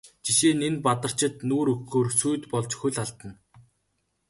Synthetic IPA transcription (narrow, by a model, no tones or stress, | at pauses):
t͡ɕiʃeːnenpat̪ə̆r̥t͡ɕɪ̆t̪nuːɾɵkːoːrsujt̪pɔɮt͡ɕxuɮaɮt̪ə̆n